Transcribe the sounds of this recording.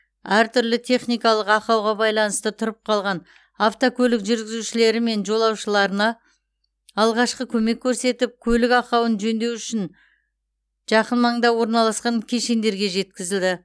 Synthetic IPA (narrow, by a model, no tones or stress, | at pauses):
æɾt̪ʰʏɾlɪt̪ʰe̞χnijkɑlˠəqɑqɑwʁɑbɑjlˠɑnəst̪ət̪ʰʊɾəp̚qʰɑlˠʁɑn | aft̪okʰʲɵlɪkʒʏɾɡʲɪzuʃɪle̞ɾɪme̞nʒo̞lˠɑwʃəlˠɑɾənɑː | lˠʁɑʃqəkʲʰɵme̞kʲʰːɵɾse̞t̪ɪp̚kʲʰɵlɪkɑqɑwənʒɵnd̪e̞wʏʃɪn | ʒ̥ɑqənmɑɴd̪ɑwo̞ɾnɑlˠɑsqɑŋkʲʰe̞ʃe̞nd̪e̞ɾɡʲe̞ʒe̞t̪kʲɪzɪld̪ɪ